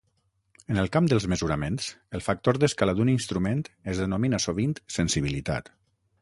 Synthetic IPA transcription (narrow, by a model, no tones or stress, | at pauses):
ənəlˠkamd̪əlˠzməzuɾəmensəlˠfak̚t̪oɾd̪əskalad̪uninst̪ɾument̪əzðənominasoβ̞int̪sənsiβ̞ilit̪a̰t̪